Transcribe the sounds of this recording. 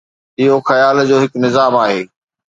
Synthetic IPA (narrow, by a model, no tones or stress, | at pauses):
ɪɦoxɐjaːld͡ʑoːɦɪknɪzaːmaːɦeː